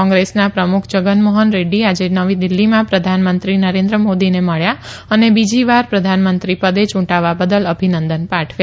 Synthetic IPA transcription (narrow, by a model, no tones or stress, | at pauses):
ɔ̃ŋɡɾesnapɾəmukʰd͡ʒəɡənmoɦənɾeɖiad͡ʒenəʋid̪ɪlːimãpɾəd̪ʱanmənt̪ɾinəɾẽnd̪ɾəmod̪ineməɭjaənebid͡ʒiʋaɾpɾəd̪ʱanmənt̪ɾipəd̪et͡ʃũʈaʋabəd̪ələbʱinənd̪ənpaʈʰʋja